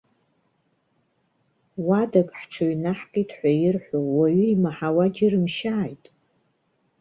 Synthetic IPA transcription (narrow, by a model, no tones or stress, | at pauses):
wadakʼħʈ͡ʂʰoɥjnaħkʼitʰħʷajɪrħʷowaɥiimaħawad͡ʒɪrɨmʃaːjtʼ